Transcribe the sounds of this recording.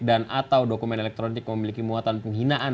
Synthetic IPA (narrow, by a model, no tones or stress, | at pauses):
danʔat̪awdokumɛnɛlɛk̚t̪ɾonɪk̚məmilikimuat̪anpəŋɦinaʔa